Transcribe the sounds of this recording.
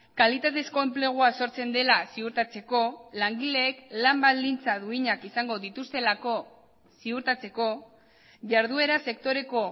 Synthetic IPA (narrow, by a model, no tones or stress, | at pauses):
kalit̪at̪e̞sko̞e̞mple̞ɣ̞uaso̞ɾt͡se̞nd̪e̞lasiuɾt̪at͡se̞ko̞laŋɡile̞ːklambald̪int͡saðuiɲakisaŋɡo̞ðit̪ust̪e̞lako̞ | siuɾt̪at͡se̞ko̞ | ʝaɾðue̞ɾase̞k̚t̪o̞ɾe̞ko̞